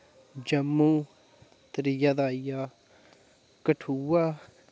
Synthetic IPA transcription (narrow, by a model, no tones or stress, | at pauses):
d͡ʒɐmːu | t̪əɾijad̪aːija | kəʈʰua